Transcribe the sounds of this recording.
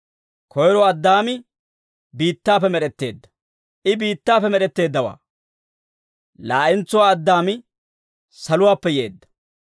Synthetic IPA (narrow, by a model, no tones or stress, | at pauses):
kʰɔjɾɔɐd̪ːaːmɪ | biːt̪ːaːfɛmɛɗɛt̪ːe̞̰ːd̪ːɐ̥ | ʔɪbiːt̪ːaːfɛmɛɾɛt̪ːe̞ːd̪ːɐwa̰ː | laːʔɪnt͡sːʊwaːɐd̪ːaːmɪ | sɐlʊwaːpːɛjeːd̪ːɐ̥